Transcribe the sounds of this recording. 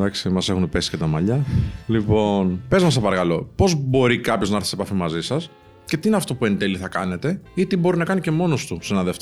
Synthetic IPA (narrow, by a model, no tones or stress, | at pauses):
d̪ɐksimɐse̞xunpe̞si̥cet̪ɐmɐʎɐlipo̞npe̞zmɐsɐpɐɾɐkɐlo̞po̞zbo̞ɾikɐpço̞znɐɐɾθi̥se̞pɐfimɐzisɐs | ce̞t̪iineɐft̪o̞pue̞nt̪e̞liθɐkɐ̰ne̞t̪e̞it̪ibo̞ɾinɐkɐnice̞mo̞no̞st̪usenɐðeft̪